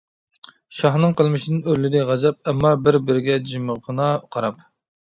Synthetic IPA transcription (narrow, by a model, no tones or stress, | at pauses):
ʃɑχnɨŋqəlˠmɨʃinɨnøɾlɪd̪ɪʁɑzɛp̚ɛmːɑbɪɾbɪɾɪɡʲɛd͡ʒiməʁənɑqʰɑɾɑp